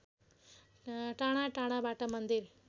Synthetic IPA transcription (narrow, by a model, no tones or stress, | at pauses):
ʈaːɳaʈaːɳabaːʈːɐmɐnd̪iɾ